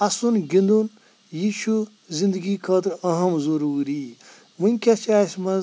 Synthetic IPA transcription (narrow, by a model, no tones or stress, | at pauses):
ɐsunɡĩnd̪un | jiːʃu | zind̪əɡikʰɐːt̪ɾɐɦɐmzɐɾuːɾi | munʲkʲɐt͡ʃaːsmɐ